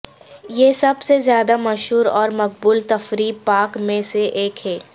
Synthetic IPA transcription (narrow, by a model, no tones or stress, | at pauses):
jesɐbsezjaːd̪amɐʃɦuːɾɔːɾmɐq̚buːlt̪ɐfɾiːpaːkmẽseʔeːkɦɛː